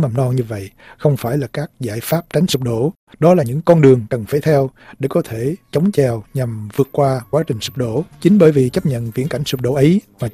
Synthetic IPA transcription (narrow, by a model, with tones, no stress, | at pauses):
ma˨˩mnɔ˧ɲɨ˧və̰˧˨jxə˧wŋ͡mfaː˧˩jlaː˨˩kaː˦˥k̚zaː˧˩jfaː˦˥p̚t͡ɕa˨˦jŋ̟su˨˩k͡p̚ɗo̰˧˥ | ɗɔ˨˦laː˨˩ɲɨ̰˧˥ŋkɔ˧nɗɨ˨˩əŋkə˨˩nfe˧˦t̪ʰɛ˧w | ɗe˧˩kɔ˨˦t̪ʰe˧˩˨t͡ɕə˨˦wŋ͡mt͡ɕɛ˧˩wɲa˨˩mvɨ˨˩ət̚kwaː˧kwaː˨˦t͡ɕï˨˩ŋ̟su˨˩k͡p̚ɗo̰˧˥t͡ɕï˨˦ŋ̟ɓəː˧˩jvi˨˩t͡ɕə˦˥p̚ɲə̰˧˨nvḭ˧˥ənka˧˩jŋ̟su˨˩k͡p̚ɗo̰˧˥˦ʔə˨˦jvaː˨˩